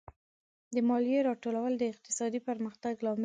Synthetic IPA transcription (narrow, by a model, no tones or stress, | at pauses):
d̪əmɑlijeɾɑʈolawəld̪əɪq̚t̪ɪ̥sɑd̪ipəɾməxt̪aɡlɑmɪ